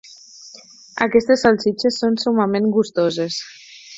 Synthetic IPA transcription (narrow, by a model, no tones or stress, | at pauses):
a̰kɛst̪esːalˠsit͡ʃesːonsumamenɡust̪ozes